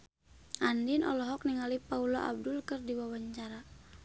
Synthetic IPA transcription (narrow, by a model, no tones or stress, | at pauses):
ʔandinɔ̰lɔɦɔk̚niŋalipaulɔʔa̰b̚dulkərdiwawaɲt͡ʃaɾa